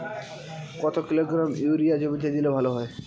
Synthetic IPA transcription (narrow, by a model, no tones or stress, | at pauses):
kɔt̪okiloɡɾamjuɾijad͡ʑobit̪ed̪ilobʱaloɦɔe